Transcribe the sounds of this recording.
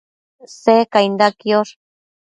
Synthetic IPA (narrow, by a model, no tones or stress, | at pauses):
sekajnd̪akioɾ